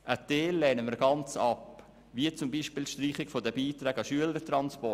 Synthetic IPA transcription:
ʔəteːlːɛːnəmiːɾɡɑnt͡sɑp | viət͡sʊmbiːʃpiːlʃtriːχɪɡfodəbiːtɾɛːɡɑʃyələɾtrɑnspɔ

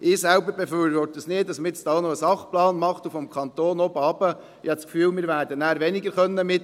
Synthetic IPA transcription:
ɪːsɛlbəɾbɛfyːɾʋɔɾtəsnɪːtɑsmɪt͡st̪ɑnoəsɑχplɑːnmɑχt̪ufɔmkʰɑnt̪oːnɔbɑːbə | ɪhɑskfyːlmɪːɾʋæːɾdənæːɾʋɛniɡəɾχœnːəmɪt

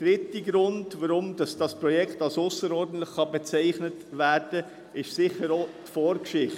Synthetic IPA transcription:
d̥ɾɪtəɡɾʊndʋəɾʊmdɑsd̥ɑspɾɔjɛkχtɑlsʊsəɾɔːɾdn̩t̪ləχːɑbɛt͡sæɪχnətʋæːɾd̥ə | ɪʃsɪχəɾotfɔːɾkʃɪχt

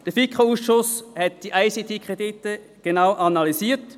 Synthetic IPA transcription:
d̥əfikʰχouːsʃʊshɛt̚d̥iʔaɪsit̪ʰeːkʁ̥ed̪itə | ɡ̥enaʊʔɑnɑlisiːt

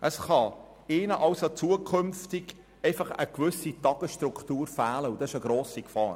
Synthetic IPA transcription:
ʔəsχɑ | ɪːnəʔɑʊsot͡suəkʰχʏmftɪɡ̥ | ɛɪfɑχəkvʏsitɑɡ̥əʃtrukχtuːɾfæːləud̥ɑsɪʃəɡɾoːsikfɑ̰ːɾ

